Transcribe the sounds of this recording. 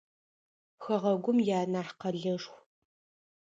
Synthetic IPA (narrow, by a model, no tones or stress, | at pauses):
xɐʁɐɡʷʊmjaːnaːħqɐɮɐʂxʷ